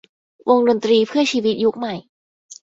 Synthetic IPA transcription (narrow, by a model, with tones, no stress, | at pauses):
wʔo˧ŋdo˧nt̪ɾiː˧pʰɯ˥˩ɐt͡ɕʰiː˧wi˦˥t̪̚ju˦˥k̚ma˨˩j